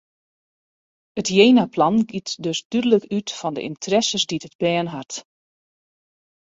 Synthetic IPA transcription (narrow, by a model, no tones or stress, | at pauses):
ətjeːnaplɑnɡitdøsd̥ydələkytfɔndə̰ʔḭntʰrɛsəsditəd̚bɛːənɦat